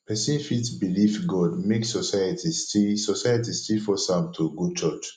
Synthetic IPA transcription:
pʰɛsĩnfitbilifɡɔdmeksɔsajatʰistisɔsajatistilfɔsãmtʰuɡot͡ʃɔt͡ʃ

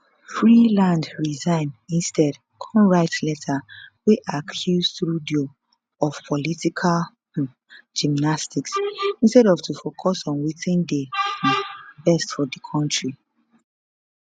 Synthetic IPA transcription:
fɹilãndɹizãɪ̃nĩnstɛd | kʰɔ̃nɹaɪtlɛtʰaweʔakʰjuztɾudio | ɔv̥pʰɔlitikʰal | d͡ʒimnastiksĩnstɛɾɔvtʰufokʰɔsɔ̃nwitĩnde | bɛstfɔdikʰɔ̃ntɹi

